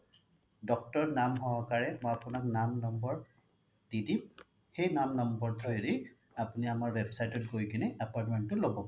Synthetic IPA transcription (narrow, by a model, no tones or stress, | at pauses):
dɔk̚tɔɹnamɦɔɦɔkaɹɛmɔjapʊnak̚namnɔmbɔɹ | d̥idim | xejnamnɔmbɔɹdʰɔjedi | apuniamaɹwebsajtɔt̚ɡojkinɛʔapaɹtmɛntʊlobɔ